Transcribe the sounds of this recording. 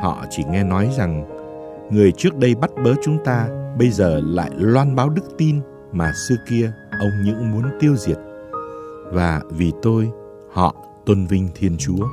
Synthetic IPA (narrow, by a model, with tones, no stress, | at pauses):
hɔ̰˧˨t͡ɕi˧˩ŋɛ˧nɔ˨˦jza˨˩ŋ | ŋɨ˨˩əjt͡ɕɨ˦˥ək̚ɗə˧jɓa˦˥t̚ɓəː˨˦t͡ɕʊ˨˦ŋ͡mt̪aː˧ɓə˧jzəː˨˩la̰ː˧˨jlwaː˧nɓaː˨˦wɗɨ˦˥k̚t̪i˧n | maː˨˩sɨ˧ki˧əʔə˧wŋ͡mɲɨ̰˧˥ŋmu˨˦ənt̪i˧əwzi˨˩ət̚ | vaː˨˩vi˨˩t̪o˧j | hɔ̰˧˨ | t̪wə˧nvï˧ŋ̟t̪ʰi˧ənt͡ɕu˨˦ə